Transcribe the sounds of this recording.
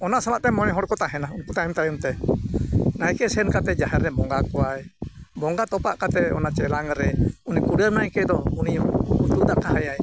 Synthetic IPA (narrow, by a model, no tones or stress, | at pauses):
ɔnasalaʔt̪ɛmɔnɛɦɔɽkɔt̪aɦɛnaunput̪aɛmt̪ajumt̪ɛ | najkɛsɛɛnkat̪ɛd͡ʒaɦɛɾɛbɔŋɡakɔajbɔŋɡat̪ɔpaʔkat̪ɛɔ̰nat͡ʃɛlaŋɾɛunikuɖəɾmnajkɛd̪ɔuniut̪ud̪aʔkaɦajaj